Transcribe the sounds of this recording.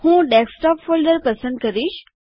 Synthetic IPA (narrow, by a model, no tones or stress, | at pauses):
hũːɖɛːksʈɔːpfoːlɖəɾpɐsə̃nd̪̚kɐɾiːʃ